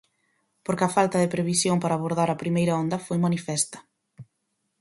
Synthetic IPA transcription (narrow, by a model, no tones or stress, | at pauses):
poɾkɐfalt̪ɐðɪpɾeβisjoŋpaɾaːβoɾðaɾɐpɾimejɾɐond̪ɐfojmanifɛst̪ɐ̥